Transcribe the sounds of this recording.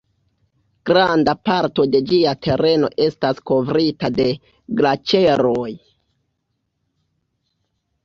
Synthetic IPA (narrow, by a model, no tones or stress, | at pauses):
ɡ̥ɾandapaɾto̞de̞d͡ʒiatʰe̞ɾe̞no̞̰ʔe̞stasko̞vɾitade̞ | ɡlat͡ʃe̞ɾoj